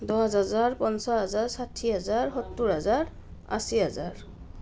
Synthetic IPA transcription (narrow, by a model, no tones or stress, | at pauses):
dɔɦazazaɹpɔnsaɦazaɹsatʰːiɦazaɹxɔtːuɹazaɹ | a̰siɦazaɹ